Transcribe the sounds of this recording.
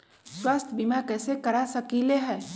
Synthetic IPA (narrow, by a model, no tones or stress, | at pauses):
swaːst̪ʰbiːmakɛːsekɐɾasɐkileɦɛː